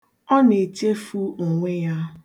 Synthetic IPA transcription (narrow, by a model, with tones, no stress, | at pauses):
ɔ˦ne˨t͡ʃe˦fu˦ŋ̩˨ŋʷe˦ja˦